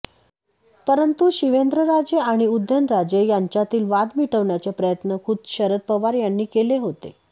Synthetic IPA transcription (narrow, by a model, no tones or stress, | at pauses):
pəɾənt̪uɕiʋend̪ɾəɾad͡zeaɽ̃iud̪ʱːənɾad͡ʑejaɲt͡ɕjat̪iːlʋad̪miʈʰəʋɳjat͡sepɾəjət̪nəkʰuːd̪̚ɕəɾət̪̚pəʋaɾjanːiːkeleɦot̪ḛ